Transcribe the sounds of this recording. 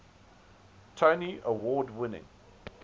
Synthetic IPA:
tʰəʊniʔəwɔːdwɪnɪ̰̃ŋ

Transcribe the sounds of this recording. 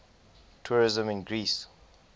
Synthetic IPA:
tʰuɹizə̃mɪ̃nɡɹis

